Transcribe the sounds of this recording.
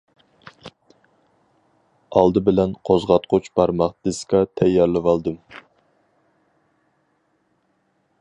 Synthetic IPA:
ɑlˠd̪ɨbɪlɛnqʰozʁɑt̪̚qʰʊt͡ʃb̥ɑɾmɑχd̪̥ɨskɑt̪ʰɛjːɑɾlɨwɑlˠd̪ɨm

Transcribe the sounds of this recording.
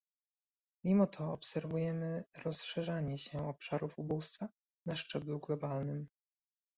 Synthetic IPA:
mʲimɔt̪ʰɔːpsɛɾvujɛmɘɾɔsʂɛʐaɲɛɕɛɔpʂaɾufubust̪fa | naʂt͡ʂɛbluɡlɔbalnɘm

